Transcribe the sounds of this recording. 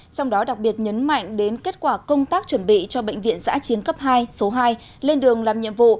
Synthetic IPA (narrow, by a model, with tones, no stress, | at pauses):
t͡ɕɔ˧wŋ͡mɗɔ˨˦ɗa˨˩k̚ɓi˨˩ət̚ɲə˨˦nma̰˧˨jŋ̟ɗe˨˦nke˦˥t̚kwaː˧˩kə˧wŋ͡mt̪aː˦˥k̚t͡ɕwə˧˩nɓḭ˧˨t͡ɕɔ˧ɓə̰˧˨jŋ̟vḭ˧˨ənza̰ː˧˥t͡ɕi˨˦ənkə˦˥p̚ɦaː˧jso˨˦ɦaː˧j | le˧nɗɨ˨˩əŋlaː˨˩mɲḭ˧˨əmvṵ˧˨